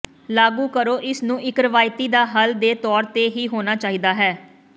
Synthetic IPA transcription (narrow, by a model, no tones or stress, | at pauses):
laːɡuːkəɾoːʔɪsnũːʔɪkɾəʋaːjt̪iːd̪aːɦəld̪eːt̪ɔːɾt̪eːɦiːɦoːnaːt͡ʃaːɦiːd̪aːɦɛː